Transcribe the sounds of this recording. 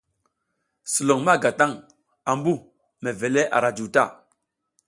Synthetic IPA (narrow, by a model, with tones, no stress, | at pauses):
su˨lo˨ŋma˦˨ɡa˨ta˦˨ŋ | a˨mbu˦˨ | me˨ve˨le˦ʔa̰˨ɾa˨d͡ʒu˨ta˦˨